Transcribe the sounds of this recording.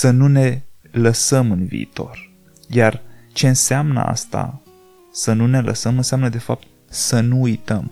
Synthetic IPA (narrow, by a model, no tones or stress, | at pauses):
sənune̞ | ləsəmɨnvḭit̪o̞̰r | jart͡ʃe̞ɨnseamnə̰a̰st̪a̰ | sənune̞lə̰səmɨnseamnəd̪e̞fap̚t̪̚ | sənuujt̪əm